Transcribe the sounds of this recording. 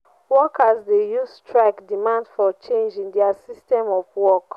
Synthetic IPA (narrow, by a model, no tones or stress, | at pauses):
wɔkasdejustɹaɪkdimãndfɔt͡ʃẽnd͡ʒĩŋdɛasistɛ̃mɔvwɔk